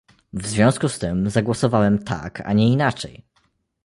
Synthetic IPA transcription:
vzvʲjɔ̃skust̪ɘmzaɡwɔsɔvawɛmt̪ʰa̰kʰa̰ɲɛinat͡ʂɛ̰j

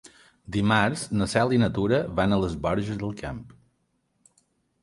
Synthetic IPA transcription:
d̪imaɾznəsalˠinət̪uɾəβanələzβɔɾʒəzðəlˠkamp

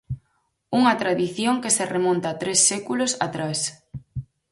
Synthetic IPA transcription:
uŋɐt̪ɾaðiθjoŋkeseremõnt̪at̪ɾesːekulosa̰t̪ɾas

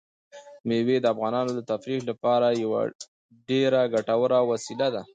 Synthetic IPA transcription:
mewed̪əafɣɑnɑnod̪ət̪afɾiʃlapɑɾajawa̰ | ɖeɾaɡaʈawəɾawasilad̪a

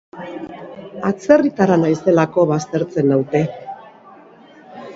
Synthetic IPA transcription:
at͡se̞rit̪aɾanajse̞lako̞βast̪e̞ɾt͡se̞nawt̪e̞

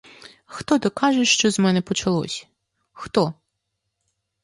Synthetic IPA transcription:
xt̪ɔd̪ɔkɑʒɛʃt͡ʃɔzmɛnɛpɔt͡ʃɐlˠɔ̰sʲɐ̥ | xt̪ɔ

